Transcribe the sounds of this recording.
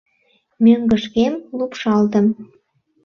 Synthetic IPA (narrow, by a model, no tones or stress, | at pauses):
møŋɡəʃkemlupʃɑlt̪ə̆m